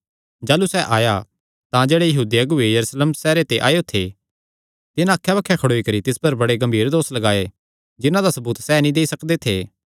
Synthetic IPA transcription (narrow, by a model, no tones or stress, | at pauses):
d͡ʒaːlusɛʔaːja | t̪ãd͡ʒeːɽejɐɦuːd̪iɐɡʊejɐɾuːsleːmsɛːɾet̪eʔa̰ːjot̪ʰḛ | t̪ɪnãɐkʰːjabɐkʰːjɛkʰɐɽoːikɐɾit̪ɪspɐɾbɐɽeɡɐ̃mbʱiːɾd̪oːslɐɡaːe | d͡ʒɪnãd̪asɐbuːt̪sɛnĩd̪eːisɐkd̪et̪ʰeː